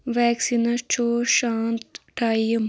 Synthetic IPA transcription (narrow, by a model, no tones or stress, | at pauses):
ʋɛːksinɐt͡ʃoːʃaːnt̪ʈaːiɐm